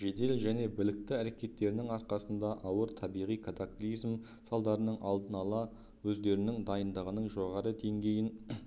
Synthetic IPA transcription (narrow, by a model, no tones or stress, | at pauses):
ʒe̞d̪e̞lʒæne̞bɪlɪk̚t̪ɪæɾe̞kʲe̞t̪ːe̞ɾɪnɪŋɑɾqɑsənd̪ɑʔɑwəɾt̪ʰɑbijʁijkʰat̪akulʲijzm | sɑlˠd̪ɑɾənəɴʔɑlˠd̪ənɑlˠɑ | wɵzd̪e̞ɾɪnɪŋd̪ɑjənd̪əʁənəɴʒo̞ʁɑɾəd̪e̞ŋɡʲe̞jɪn